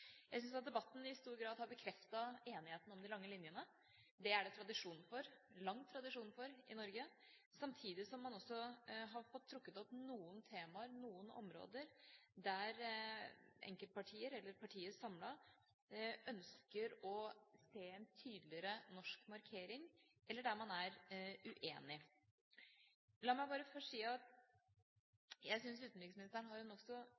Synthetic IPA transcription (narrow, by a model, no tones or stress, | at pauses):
jæɪs̬ʏnsɑt̪̚d̪ɛbɑt̪ːn̩ɪst̪uːɾɡɾɑːd̪hɑɾbəkʰɾɛft̪ɑeːnɪheːt̪ən̩ɔmd̪ɪlɑŋːəlɪnjənə | d̪ɛæɖɛt̪ʰɾɑd̪ɪʂuːnfɔɾlɑŋːt̪ʰɾɑd̪ɪʂuːnfɔɾɪnɔɾɡə | sɑmt̪ʰiːd̪ɪsɔmːɑnɔsːɔɦɑɾfɔt̪ʰːɾʊkːət̪ɔpnuːənt̪ʰeːmɑəɾnuːənɔ̰mɾo̰ːd̪əɾd̪æɾ | ʔɛ̰ŋkəlt̪̚pʰɑʈʰiːəɾɛlːəɾpʰɑʈʰiːəsɑmlɑ | œnskəɾɔseːɛnt̪ʰyːd̪lɪəɾənɔʂkmɑɾkʰeːɾɪŋʔɛlːəɖæɾmɑnæɾʉʔeːnɪ | lɑːmæɪbɑːɾəfɔʂiːɑt̪ | jæɪsʏnsʉːt̪n̩ɪɡsmɪnɪst̪əɳɦɑɾjʊnɔksɔ